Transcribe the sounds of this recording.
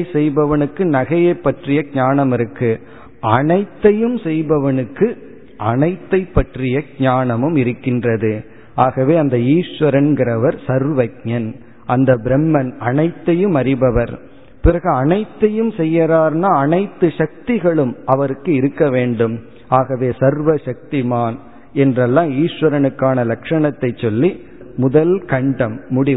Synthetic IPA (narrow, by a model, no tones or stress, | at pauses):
sɛjbɐʋɐnɯkːɯnɐɣɐjɐɪpːɐʈrɪjɐɡɲaːnɐmɪɾɯkːɯ | ʔɐnɐɪt̪ːɐjɯmsɛjbɐʋɐnɯkːɯ | ʔɐnɐɪt̪ːɐɪpːɐʈrɪjɐɡ̚ɲaːnɐmɯmɪɾɯkːɪndrɐðɯ | ʔaːɣɐʋeːɐnd̪ɐiːʂʋɐɾɐnɡɪɾɐʋɐɾsɐɾʋɐk̚ɲɐn | ʔɐnd̪ɐbɪɾɛmːɐnɐnɐɪt̪ːɐjɯmɐɾɪbɐʋɐɾ | pɪɾɐɣɯɐnɐɪt̪ːɐjɯmsɛjːɐɾaːɾnaːɐnɐɪt̪ːɯʂɐk̚t̪ɪɣɐɭɯmɐʋɐɾɯkːɯɪɾɯkːɐʋeːɳɖɯm | aːɣɐʋeːsɐɾʋɐʂɐk̚t̪ɪmaːn | ɛndrɐlːãːiːʂʋɐɾɐnɯkːaːnɐlɐkʂɐɳɐt̪ːɐɪt͡ʃːɔlːi | mʊðɐlkɐɳɖɐmːʊɽɪ